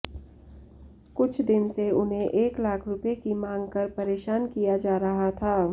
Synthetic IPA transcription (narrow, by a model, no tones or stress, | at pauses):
kʊt͡ʃʰd̪ɪnseʊnɦẽʔeːklaːkʰɾʊpekimãːŋɡkɐɾpɐɾeːʃaːnkijad͡ʒaːɾɐɦat̪ʰaː